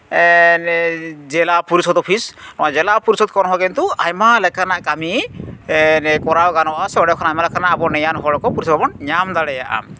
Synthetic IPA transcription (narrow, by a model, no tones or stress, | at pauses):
nɛd͡ʒɛlapuɾisɔd̪ɔpʰisnɔad͡ʒɛlapuɾusɔd̪̚kɔnɦɔɡɛnt̪uajmalɛkʰanaʔkami | nɛkɔɾawɡanɔasɛbɔɖɔjɔkʰanajmalɛkʰanaʔːbɔnɛjanɦɔlɔkɔpuɾisɔbʱabɔnɲamd̪aɽɛjaʔa̰m